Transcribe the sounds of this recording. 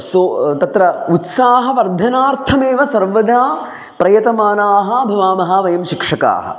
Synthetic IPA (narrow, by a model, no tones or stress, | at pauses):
sot̪ɐt̪ɾɐut̪saːɦɐʋɐɾd̪ʱɐnaːɾt̪ʰɐmeːʋɐsɐɾʋɐd̪ʱaː | pɾɐjɐt̪ɐmaːnaːɦɐbʱɐʋaːmɐɦaʋɐjɐmʃikʂɐka̰ːɦɐ̰